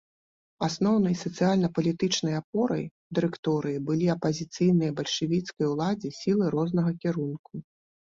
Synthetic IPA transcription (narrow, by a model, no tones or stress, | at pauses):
asnɔwnɐjsɐt̪sɨjalʲnɐpɐlʲit̪ɨt͡ʂnɐjapɔɾɐ̰j | d̪ɨɾɨkt̪ɔɾɨjibɨlʲiɐpɐzʲit̪sɨjnɨjɐbɐlʲʂɨvʲit̪skɐjwlˠad͡zʲisʲilˠɨɾɔznɐɣɐkʲiɾunku